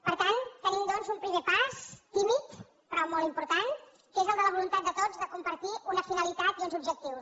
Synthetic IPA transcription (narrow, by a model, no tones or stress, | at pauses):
pəɾt̪ant̪ənimd̪ɔnzumpɾimepast̪imit̪ | pɾɔmɔlˠt̪impuɾt̪an | kezəlˠd̪ələβ̞ulunt̪at̪̚d̪ət̪ozðəkumpəɾt̪iʔunəfinəlit̪at̪iunzubʒək̚t̪iws